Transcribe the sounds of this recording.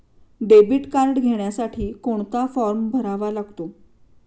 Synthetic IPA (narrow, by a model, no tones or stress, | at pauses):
ɖebiʈkaɾʈɡʱeɳjasaʈʰiːkoɳt̪afɔɾmbʱəɾaʋalaɡt̪o